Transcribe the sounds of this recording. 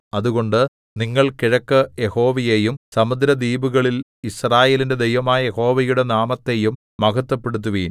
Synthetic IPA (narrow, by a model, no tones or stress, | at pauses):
ɐðuɣo̞ɳɖɨ | niŋːɐɭkiɻɐkːɨje̞ho̞ːʋɐje̞jumsɐmud̪ɾɐd̪iːbuɣɐɭil | israːje̞ːlinde̞d̪ejʋɐmaːjɐje̞ho̞ːʋɐjuɽe̞naːmɐt̪ːe̞jumːɐkɐt̪ːɐpːe̞ɽut̪̬ːuʋiːn